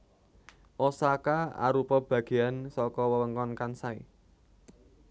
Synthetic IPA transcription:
ʔosakaa̰ɾupɔb̥ä̤ɡ̥e̤ansɔkɔwəwəŋkɔnkansaḭ

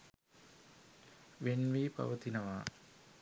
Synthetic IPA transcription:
ʋenʋiːpa̰ʋət̪inəʋaː

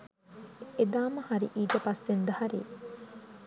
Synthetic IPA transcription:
ed̪aːmɐhɐɾḭʔiːd͡ʒɐpɐsːend̪ɐhɐɾḭː

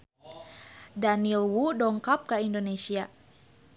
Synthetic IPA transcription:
danilwudɔŋkap̚kaindonesia

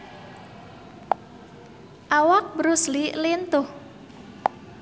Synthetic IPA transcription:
ʔawak̚bəɾuslilint̪ʊh

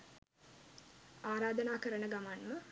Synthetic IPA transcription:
aːɾaːd̪ənaːkəɾənəɡamanmə

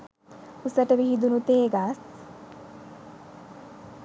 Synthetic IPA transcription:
usəʈəʋiɦid̪unut̪eːɡas

